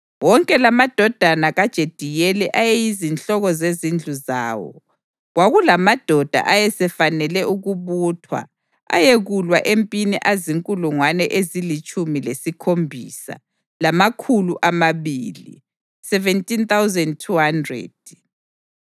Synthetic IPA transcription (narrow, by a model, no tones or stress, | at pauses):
wɔŋkʼɛlamad̥ʱɔd̥ʱanaɣad̥ʒ̥ʱed̥ʱijɛlɛʔajɛjizint͡ɬɔɣɔzezind͡ɮʱuza̰ːwɔ̰ | ɣwaɣulamad̥ʱɔd̥ʱa̰ʔajɛsɛfanɛlɛʔuɣuβutʰwa̰ | a̰jeɣulwaʔempʼiniʔaziŋkʼuluŋwanɛʔezilit͡ʃʼumilesikʰombʱḭːsa̰ | lamakʰuluʔamaβiːlḭ | sɛvɛntʼint̪awzɛnd̚tʰuhandrɛ̰d̥̚